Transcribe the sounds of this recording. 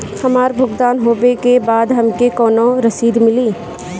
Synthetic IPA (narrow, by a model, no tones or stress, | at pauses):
hɐmaːɾbʱʊɡd̪aːnɦoːʋekebaːd̪ɦɐmkekɔːnõɾɐsiːd̪mɪliː